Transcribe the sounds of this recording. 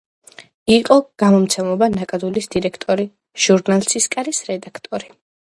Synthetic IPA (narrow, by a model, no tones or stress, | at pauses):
iqʼɔɡ̥amɔmt̪sʰɛmɔbanakʼad̪ulisd̪̥iɾɛkʰt̪ʼɔɾi | ʒ̥uɾnalˠsiskʼaɾisɾɛd̪akʰt̪ʼɔɾi